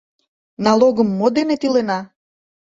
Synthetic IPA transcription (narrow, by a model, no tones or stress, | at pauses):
nɑloɣəmːod̪enet̪ilenɑ